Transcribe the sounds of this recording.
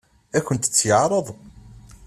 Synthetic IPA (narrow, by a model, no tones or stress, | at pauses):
ækʷːənt̪ə̥t͡sːjəʕɾˤəðˤ